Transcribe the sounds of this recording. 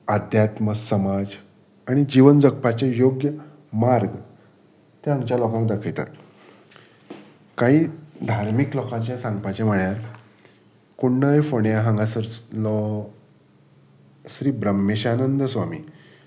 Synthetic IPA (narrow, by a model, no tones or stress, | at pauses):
ad̪ʱjat̪məsəmad͡z | aɽ̃id͡ʑiʋənd͡zək̚pat͡ɕejoɡjə | maɾɡ | t̪eaŋt͡ɕjalɔkãŋkd̪akʰəjt̪a̰t̪ | kaɦiːd̪ʱaɾmiklɔkãt͡ɕjasãŋɡpat͡ɕem̤əɳjaɾ | kuɳːəjfoɳjaɦãŋɡasəɾl | sɾiːbɾəmːeɕanənd̪əsʋamḭː